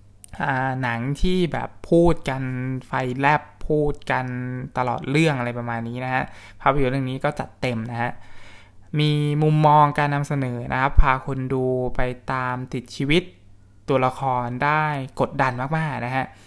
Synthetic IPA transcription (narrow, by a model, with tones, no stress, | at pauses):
ʔaː˨˩na˩˦ŋt̪ʰiː˥˩bɛ̰ː˨˩pʰːuː˥˩t̪̚ka˧nfa˧jlɛ˦˥˩pʰːuː˥˩t̪̚ka˧nt̪a˧lɔ̰ː˨˩t̪̚ɾɯ˥˩əŋʔa˧ɾa˧jpɾa˧maː˧nːiː˦˥na˦˥kʰa˦˥ʔpʰaː˧pa˧juː˨˦ɾɯ˥˩niː˦˥kɔː˥˩t͡ɕa˨˩t̪ːe˧mna˦˥kʰa˦˥ʔ | miː˧mu˧mːɔː˧ŋkaː˧nːa˧msa˧nɤː˩˦na̰˦˥kʰa˦˥pʰːaː˧kʰo˧nduː˧pa˧jt̪aː˧mt̪i˨˩t̪̚t͡ɕʰiː˧wi˦˥t̪̚ː | u˧ɐla˧kʰɔː˧ndaː˥˩jko˨˩t̪̚da˧nmaː˥˩k̚maː˥˩k̚na˦˥kʰa˦˥ʔ